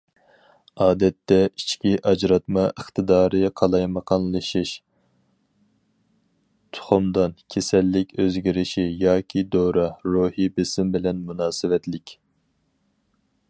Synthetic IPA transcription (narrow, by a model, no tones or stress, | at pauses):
ɑːd̪ɛt̪ʰːɛi̥t͡ʃʰkʲiʔɑd͡ʒɾɑt̪mɑʔəχt̪ʰɨd̪ɑːɾɨqʰɑlˠɑjmɑqʰɑnlˠɨʃɨʃ | t̪ʰʊ̥χʊmd̪ɑnkʲʰesɛlːɪkʲøzɡʲiɾɪʃijɑːkʲʰid̪oɾɑɾuhibɪsɪmbɪlɛnmunɑːsɨwɛt̪lɪkʲ